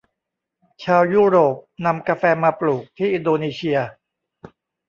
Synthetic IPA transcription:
t͡ɕʰaː˧wjuː˥˩ɾoː˨˩p̚na˧mkaː˧fɛː˧maː˧pluː˨˩k̚t̪ʰiː˥˩˨ʔi˧ndoː˧neː˧sʰi˧ɐ

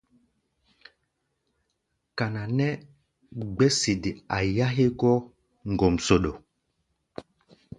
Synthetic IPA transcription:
ka˨na˨nɛ˦ | ɡ͡bɛ˦si˨di˨a˨ja˦ɦe˦ɡɔ˦ | ŋ˨ɡo˨mso˨ɗo˨

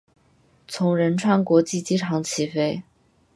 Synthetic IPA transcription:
t͡sʰʊ˧˥ŋɻə˧˥nʈ͡ʂʰwa˥˩nkwɔ˧˥t͡ɕi˥˩t͡ɕi˥ʈ͡ʂʰɑ˧˥ŋt͡ɕʰi˧˥fe˥ɪ

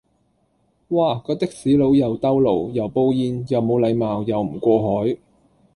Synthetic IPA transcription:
waː˨˩kɔː˧t̪ɪ˥k̚siː˨˥lo˨˧wjɐ˨˧wt̪ɐ˥wlo˨˩wjɐ˨˩wpo˧wjiː˧njɐ˨wmo˨˧wlɐ˨˧jmaː˨wjɐ˨˧wm̩˨˩kʷɔː˧ɦɔː˨˥j

